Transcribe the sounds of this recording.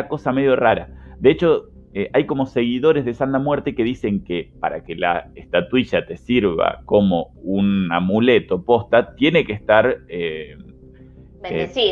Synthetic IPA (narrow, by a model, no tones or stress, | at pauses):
ako̞same̞ðjo̞raɾad̪eet͡ʃo̞ | eʔajko̞mo̞se̞ɣiðo̞ɾezð̞e̞sand̪amweɾt̪eke̞ðise̞ŋkepaɾake̞la̰est̪at̪wiʃat̪e̞siɾβa̰ko̞mo̞ | unamule̞t̪o̞po̞st̪at̪je̞ne̞kest̪aɾe